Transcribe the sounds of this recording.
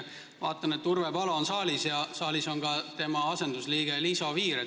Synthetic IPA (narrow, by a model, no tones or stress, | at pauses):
vɑːt̪ːˑɑnet̪ːurvepɑlo̞ːnsɑːlisjɑsɑːliso̞nɡɑt̪e̞mɑɑse̞nd̪usliːɡ̥e̞liso̞viːɾe